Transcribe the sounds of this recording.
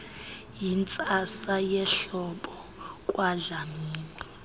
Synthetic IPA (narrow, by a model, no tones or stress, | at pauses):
jint͡sʼasajɛɬɔɓɔ | kʼwaɮamiːni